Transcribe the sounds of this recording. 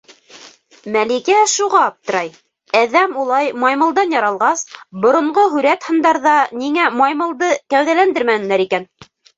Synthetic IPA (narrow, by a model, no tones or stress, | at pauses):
mælikæʃuʁɑːp̚t̪ɤ̆ɾɑj | æðæmulˠɑjmɑjmɤ̆lˠd̪ɑnjɑɾɑlˠʁɑsbŏɾŏɴɢoɦʉɾæt̪hɤ̆nd̪ɑɾðɑniŋæmɑjmɤ̆lˠd̪ɤkæwðælænd̪ɘɾmænɘ̆læɾikæn